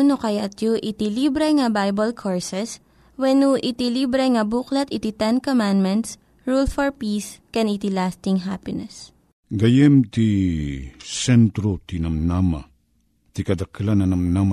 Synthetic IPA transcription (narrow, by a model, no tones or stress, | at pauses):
nokɐjat̪juʔit̪ilibɾɛŋɐbajbɐlkʰoɹsɛs | wɛnuʔɪt̪ilibɾɛŋɐbuːklɐt̪ɪt̪it̪ɛnkomãnd̪mɛnt̪s | ɹulfɔɹpiːskɛnit̪ilast̪ɪŋɦapɪnɛs | ɡɐjɛmt̪i | sɛnt̪ɾot̪inɐmnama̰ | t̪ikɐd̪ɐklanɐnɐmnama